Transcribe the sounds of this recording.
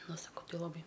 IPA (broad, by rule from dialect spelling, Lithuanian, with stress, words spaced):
ˈnʊ sɐˈkɐʊ ˈtʲɪ lˠɐˈbɐɪ